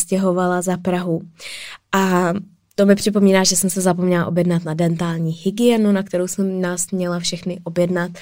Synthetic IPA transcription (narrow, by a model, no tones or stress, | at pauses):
scɛɦo̞valazapɾaɦu | ʔa | t̪o̞mɪpr̝̥ɪp̬o̞miːnaːʒɛsɛmsɛzapo̞mɲɛlaʔo̞bjɛdnat̪nadɛnt̪aːlɲiːhɪɡɪjɛnunak̚t̪ɛɾowsɛmːɲaːsmɲɛlafʃɛxnɪʔo̞bjɛdnat̪